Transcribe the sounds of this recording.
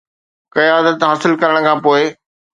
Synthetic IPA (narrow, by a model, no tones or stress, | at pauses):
kɐaːd̪ət̪ɦaːsɪlkɐɾəɽ̃̆kʰãːpoːɪ